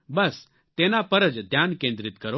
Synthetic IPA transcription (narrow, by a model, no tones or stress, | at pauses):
bəs | t̪enapəɾəd͡ʒd̪ʱjaːnkẽnd̪ɾit̪kəɾo